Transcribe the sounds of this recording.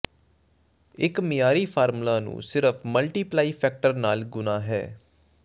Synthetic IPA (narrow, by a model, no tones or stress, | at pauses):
ɪkmɪjaːɾiːpʰaːɾmulaːnṵ̃ːsɪɾəfʰməlʈiːplaːiːpʰɛːk̚ʈəɾnaːlɡʊnãːɦɛ̰ː